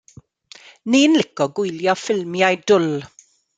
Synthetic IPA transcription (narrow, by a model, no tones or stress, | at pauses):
ninlɪkɔɡʊjljɔfɪlmjajdʊl